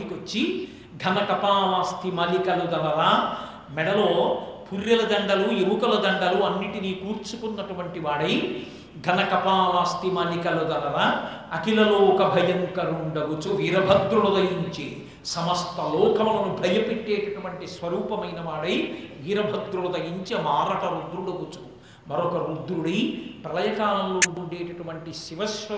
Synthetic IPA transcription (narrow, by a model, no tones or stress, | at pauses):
ikɐt͡ʃːi | ɡʱɐnɐkɐpaːʋaːst̪imɐlikɐlud̪ɐlɐɾaː | mɛɽɐloːpʰuɾjɐlɐd̪ɐŋɡɐlujeʋukɐlɐd̪ɐŋɡɐluɐnːiʈiniːkuːɾt͡ʃukunːɐʈuʋɐɳʈiʋaːɽɐj | ɡʱɐnɐkɐpaːʋaːst̪imɐlikɐlud̪ɐlɐɾaː | ɐkilɐloːkɐbʱɐjɐŋkɐɾuɳɖɐkut͡ʃuʋiːɾɐbʱɐd̪ɾuɭɐd̪ɐjiɲt͡ʃi | sɐmɐst̪ʰɐlɔːkʰɐmɐlɐnubʱɐjɐpeʈːeːʈɐʈuʋɐɳʈisʋɐɾuːpɐmɐjnɐʋaːɽɐjʋiːɾɐbʱɐd̪ɾuɭɐd̪ɐjiɲt͡ʃimaːɾɐʈɐɾud̪ɾuɽɐkut͡ʃu | mɐɾokɐɾud̪ɾuɽɐjpɐlɐjɐkaːlɐlːuɳɖuɳɖeːʈɐʈuʋɐɳʈisiʋɐʃɐ